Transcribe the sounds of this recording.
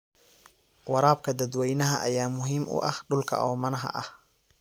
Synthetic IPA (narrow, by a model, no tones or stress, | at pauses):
wɑɾaːb̚kʰɐd̪ɐd̪wɛjnɐɦɐʔɐjaːmʊɦiːmʊ̰ʔɐhɖʊlkʰɐ̰ʔɔːmɐnɐɦɐ̰ʔɐh